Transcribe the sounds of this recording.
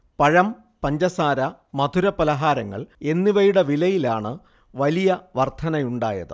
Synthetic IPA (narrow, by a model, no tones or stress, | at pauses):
pɐɻɐm | pɐɲd͡ʑɐsaːɾɐmɐd̪ʱuɾɐpɐlɐɦaːɾɐŋːɐ̰ɭe̞nːiʋɐjuɽɐʋilɐjilaːɳɨ | ʋɐlijɐʋɐrt̪ʰɐnɐjuɳɖaːjɐ̰ðɨ̰